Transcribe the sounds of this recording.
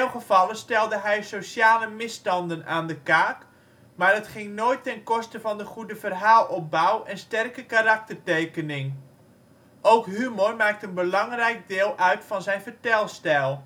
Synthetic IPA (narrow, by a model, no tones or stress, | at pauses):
ɛwχəv̥ɑlənstɛlˠdəɦɛjsosjaːləmɪstɑndənaːndəkaːk | maːrdətχɪŋnoːjtːɛnkɔstəvɑndəχudəvərɦaːlˠɔp̚bawɛnstɛrkəkaɾɑk̚tərtejkənɪŋ | ʔowkɦymormaːk̚tənbəlɑŋrɛjk̚dɪːlˠʔœɥtfɑnzɛjnvərtɛlˠstɛlˠ